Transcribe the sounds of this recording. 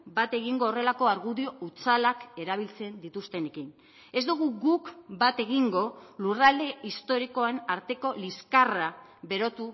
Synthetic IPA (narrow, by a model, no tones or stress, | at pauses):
bat̪e̞ɣiŋɡo̞ːre̞lako̞aɾɣuðio̞ʔut͡salake̞ɾaβ̞ilt͡se̞nd̪it̪ust̪e̞ne̞kin | e̞zd̪uɣ̞uɡukbat̪e̞ɣiŋɡo̞lurald̪e̞ist̪o̞ɾiko̞anaɾt̪e̞ko̞liskaraβe̞ɾo̞t̪u